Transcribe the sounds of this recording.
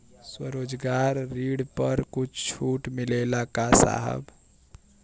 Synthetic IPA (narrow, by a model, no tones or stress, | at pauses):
swə̰ɾod͡ʒɡaɾːiɽpəɾkut͡ʃʰt͡ʃʰuʈmilelakasa̰ɦə̰b